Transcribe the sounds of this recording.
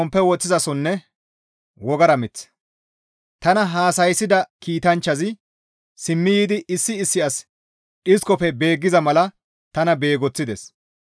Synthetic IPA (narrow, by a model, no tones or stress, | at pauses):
ɔmpːɛwɔt͡sːɪzɐsɔnːɛ | wɔɡɐɾɐmɪt͡sː | t̪ɐnɐɦaːsɐjsːɪd̪ɐkiːt̪ɐnt͡ʃːɐzɪ | sɪmːɪjiːd̪ɪʔɪsːɪːsːɪʔɐs | ᶑɪskɔpɛbe̞ːɡːɪzɐmɐlɐ | t̪ɐnɐbe̞ːɡɔt͡sːɪd̪ɛs